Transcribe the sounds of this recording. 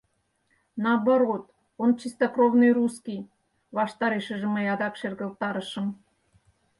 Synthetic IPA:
nɑbəɾot̪ | ont͡ɕist̪okrovnɨjruskij | βɑʃt̪ɑɾeʃə̆ʒĕməjɑd̪ɑkʃerɣə̆lt̪ɑɾəʃə̆m

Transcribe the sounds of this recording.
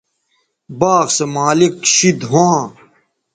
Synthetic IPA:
baːɣsemaːlikɕid̪ɦãː

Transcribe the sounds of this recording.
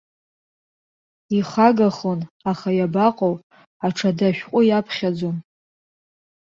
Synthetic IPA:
iχaɡaχonaχajabaqʼow | aʈ͡ʂʰadaʃᶣqʷʼʊjapʰχʲad͡zon

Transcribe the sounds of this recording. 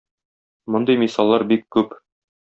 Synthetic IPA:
mŏnd̪ɤjmisɑlˠːɑɾbikːʉp

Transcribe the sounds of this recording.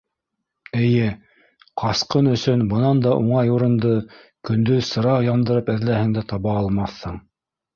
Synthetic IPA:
ɘ̆jɘ | qʰɑsqɤnɵ̆sɵnbɤ̆nɑnd̪ɑʔuɴɑjuɾɤ̆nd̪ɤ | kɵ̆nd̪ɵðsɤ̆ɾɑqjɑmd̪ɤ̆ɾɤpæðlæhɘŋd̪æt̪ɑβɑːlˠmɑθːɤɴ

